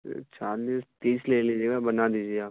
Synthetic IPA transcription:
t͡ʃaːɾd̪iːst̪iːsleːlid͡ʒeːɡabɐnad̪iːd͡ʒieaː

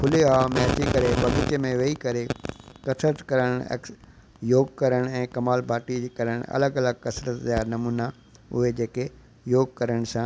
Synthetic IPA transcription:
pʰʊleɦamẽɐt͡ɕikɐɾebɐɡɪt͡ɕemẽʋɐikɐɾekɐsɾət̪kɐɾəɽ̃ḛk | joːɡkɐɾəɽ̃ɛ̃ːkɐmaːlbʱaːʈikɐɾəɽ̃ɐ̰ləɡɐləɡ̚kɐsɾət̪d͡ʑaːnɐmuːna | ʊ̰ɦed͡ʑeːke | joːɡ̚kɐɾəɽ̃sã

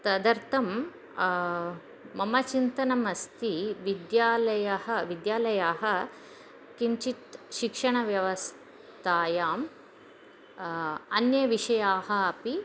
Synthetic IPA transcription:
t̪ɐd̪ɐɾt̪ʰɐm | ɐmɐt͡ʃint̪ɐnɐmɐst̪ʰiʋid̪jaːlɐjɐhɐʋid̪jaːlɐjaːɦɐ̆ | kiɲt͡ʃit̪ʃikʂɐɳ̃ɐʋjɐʋɐs | t̪ʰaːjaːm | ɐnjɐʋiʂɐjaːɦɐɐpi

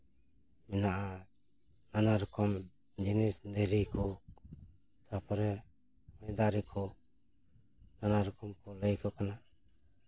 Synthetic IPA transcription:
mɛnaʔa | nanaɾɔkɔm | d͡ʒinisdəɾikʰɔ | t̪ʰapʰɔɾɛ | mɔjd̪aɾikʰɔ | nanaɾɔkɔmkʰɔləjkʰɔkana

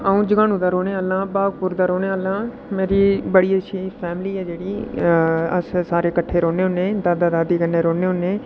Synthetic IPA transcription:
aːũːd͡ʒəɡãːnũːd̪aːɾoːɽeːaːlãːbaːɡpʊɾd̪aːɾoːneːaːlãː | meːɾiːbəɽiːəʃʰiːpʰɛːmliːɛːd͡ʒeːɽiː | ə̰ssaːɾeːkəʈʰːeːɾoːneːɦʊnːẽːd̪aːd̪aːd̪aːd̪iːkənːeːɾoːneːɦʊnːeː

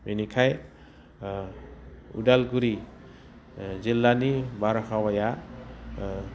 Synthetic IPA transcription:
minikʰaj | ṵdalɡuɾi | zilːanibaɾɔkʰawaja

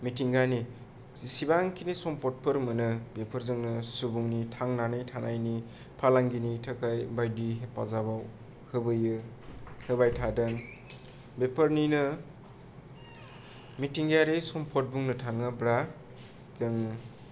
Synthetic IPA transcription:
mitiŋɡani | sibaŋkʰinisɔmpʰɔt̚pʰɯɾmɯnɯbepʰɯɾzɯŋnɯsubuŋnitʰaŋnanɯjtʰanajni | pʰalaŋɡinitʰɯkajbajdiepazabaw | hɯbɯjɯ | hɯbajtʰadɯŋ | bepəɾninɯ | mitiŋɡaɾesɔmpʰɔt̚buŋnɯtʰaŋɯbɾa | dɯŋ

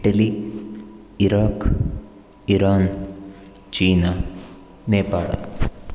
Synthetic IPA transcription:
ʈɐli | iɾaːkː | iɾaːn | t͡ɕiːnɐ | neːpaːɽɐ̰

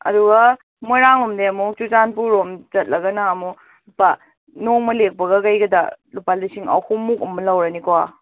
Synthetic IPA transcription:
ɐ̰duɡɐ | mojɾaŋlumdeɐmut͡ʃuzanpuɾomt͡ʃɐt̚lɐɡɐnaːmu | pa | noŋmɐlek̚pɐɡɐkajɡɐdɐ̰lupaldisiŋɐ̰whʰumːukɐmɐlɐwɾɐnikowa

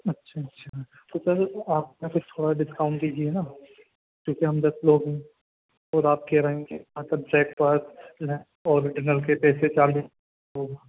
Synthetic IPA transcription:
ɐtːʃʰaɐtːʃʰa | t̪oːsɐɾaːpnekʊt͡ʃʰt̪ʰoːɽaɖɪskaːʊ̃ɳʈdiːd͡ʒiɛnaː | kjõːkeɦɐmd̪ɐsloːɡɦɛ̃ | ɔːɾaːp̚kɛɾɐɦẽkemɐt̪ləb̚ɾɛːk̚paɾtl | ɔːɾɪd͡ʒɪnəlk̬epɛːset͡ʃaːɾd̪i | ɦoːɡaː

